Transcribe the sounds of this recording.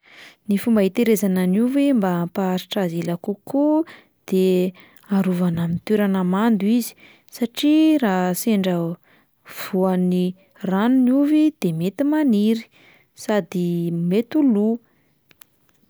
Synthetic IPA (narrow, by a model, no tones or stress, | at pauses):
nifumbaɦit̪eɾezananuvembampaːɾiʈ͡ʂazelakuku | d̪̥e | aɾuvanamint̪eɾanəmand̪uizi̥ | saʈ͡ʂiraseɳɖ͡ʐə | v̥uani | ranunuvid̪̥emet̪imaniɾi̥ | sad̪imet̪ulu